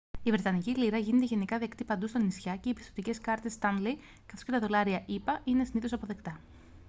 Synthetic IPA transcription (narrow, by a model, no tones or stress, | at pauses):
ivɾe̞t̪ɐniciliɾɐʝine̞t̪eʝenikɐðe̞kt̪ipɐnd̪ust̪onisçɐce̞ipist̪o̞t̪ice̞skɐɾt̪e̞st̪ɐnli | kɐ̥θo̞scet̪ɐðo̞lɐɾiɐʔipɐʔine̞siniθo̞sɐpo̞ðe̞kt̪ɐ